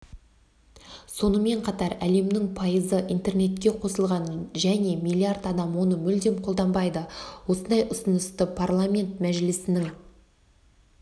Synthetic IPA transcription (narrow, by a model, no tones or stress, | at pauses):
so̞nəme̞ɴqʰɑt̪ɑɾæle̞mnɪŋpʰɑjəzəʔijnt̪e̞rne̞t̪kʲe̞qʰo̞səlˠʁɑnʒæne̞mijlʲˠiard̪ɑd̪ɑmwo̞nəmʏld̪e̞mqʰolˠd̪ɑmbɑjd̪əwo̞sənd̪ɑjʔʊsənəst̪əpʰarlˠamʲe̞nt̪mæʒɪlɪsɪnɪŋ